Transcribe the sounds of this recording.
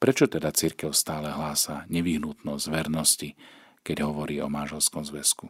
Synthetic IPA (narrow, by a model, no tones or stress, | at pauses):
pɾɛt͡ʃɔt̪ɛd̪at͡siɾkɛʊst̪aːlɛɦlaːsaɲɛʋiɦnut̪nɔzzʋɛɾnɔscikɛɟɦɔʋɔɾiːɔmanʒɛlskɔmzʋɛsku